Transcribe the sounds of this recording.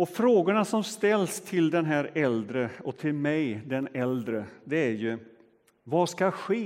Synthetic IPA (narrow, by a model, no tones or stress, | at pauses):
ɔfɾoːɡʊɳasɔmst̪ɛlːst̪ʰɪld̪ɛnɦæːɾɛld̪ɾəɔt̪ʰɪlmɛjd̪ɛnɛld̪ɾəd̪ɛæɾjɵ | vaskaɧeː